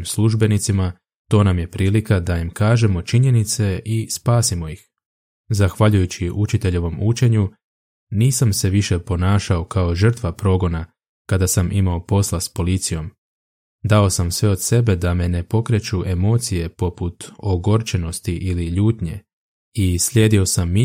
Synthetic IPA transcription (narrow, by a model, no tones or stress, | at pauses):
msluʒbe̞nit̪sima | t̪o̞ːnamje̞pɾiːlikad̪ajimkaːʒe̞mo̞t͡ʃiɲe̞nit̪se̞ʔispaːsimo̞jix | zaxʋaʎujut͡ɕiʔut͡ʃit̪e̞ʎe̞ʋo̞mut͡ʃe̞ɲu | niːsamse̞ʋiʃe̞po̞naːʃao̞kao̞ʒər̩t̪ʋapɾo̞ɡo̞na | kad̪asamʔimaopo̞slˠaspo̞lit̪sijo̞m | d̪ao̞samsʋe̞o̞d̪̥se̞be̞d̪ame̞ne̞po̞kɾe̞t͡ʃuʔe̞mo̞ːt̪sije̞po̞put̪oɡo̞ɾt͡ʃe̞no̞st̪iʔiliʎuːt̪ɲe̞̰ | isʎʲeːd̪io̞samːi